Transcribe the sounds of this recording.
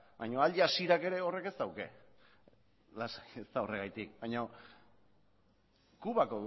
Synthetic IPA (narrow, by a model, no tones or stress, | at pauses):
bajɲo̞aʎasiɾake̞ɾe̞o̞re̞ke̞st̪awke̞̰ | lasajest̪ao̞re̞ɣ̞ajt̪ik̚bajɲo̞ | kuβakoð